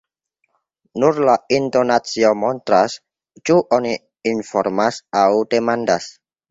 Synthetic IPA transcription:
nurlaint̪onat̪siɔmɔnt̪ɾas | t͡ʃuʔɔni | infɔrmasaut̪emandas

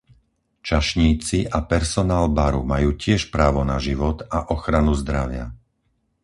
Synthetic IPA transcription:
t͡ʃaʃɲiːt͡siʔapɛɾsɔnaːlbaɾumajuːcɪɛʃpɾaːʋɔnaʒiʋɔt̪aʔɔxɾanuzd̪ɾaʋɪa̰

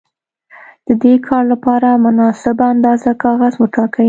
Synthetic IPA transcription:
d̪̥əd̪ekʰɑɾlapɑɾamʊnɑsɪbaand̪ɑzakɑɣazwəʈɑkawi

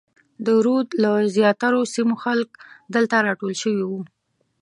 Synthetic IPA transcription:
d̪əɾod̪lazjɑt̪aɾosimoxalkd̪əlt̪aɾɑʈolʃəwiwu

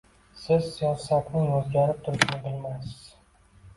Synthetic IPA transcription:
sɪzsːijɒsakʲnɪjɵzɡʲaɾɪp̚t̪ʰʊɾɪʃnɪbɪlmajsɪz̥

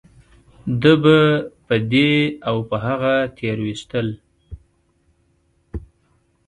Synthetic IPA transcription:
d̪əbəpəd̪eawpəɦaɣat̪ʰeɾwist̪əl

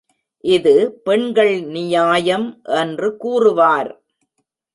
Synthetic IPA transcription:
ʔɪðɯpɛɳɡɐɭnɪjaːjɐmʔɛndrɯkuːrɯʋaːɾ

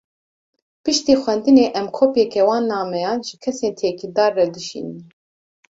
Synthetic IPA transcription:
pɨʃt̪iːxwɛnd̪ɨneːʔɛmkʰoːpjɛkɛwɑːnːɑːmɛjɑːnʒɨkʰɛseːnt̪ʰeːkid̪ɑːɾːɛd̪ɨʃḭːnɨn

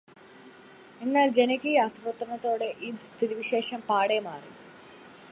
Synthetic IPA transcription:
e̞nːaːld͡ʑe̞nɐkʲːijaːst̪rɐʋɐt̪ːrɐɳɐt̪ːo̞ːɽe̞ʔiːst̪ʰiɾiʋiɕe̞ːʂɐmpaːɽemaːri

